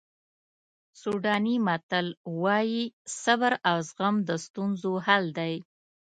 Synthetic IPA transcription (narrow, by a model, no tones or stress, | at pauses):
suɖɑnimat̪əlwɑjisabəɾawzɣamd̪əst̪unzohald̪aj